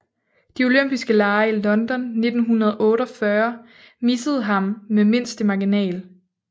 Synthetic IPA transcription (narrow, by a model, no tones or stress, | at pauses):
d̥ioløm̰b̥isɡ̥əlɑ̈ːɪilɒ̽nd̥ɒ̽nːe̝d̥n̩ɦunɐð̞̩ˠʔɔ̽ːɾɒfɶɐ | misəð̞̩ˠɦɑ̈mmeme̝n̰sd̥əmɑ̈ɡ̥inɛ̰ːl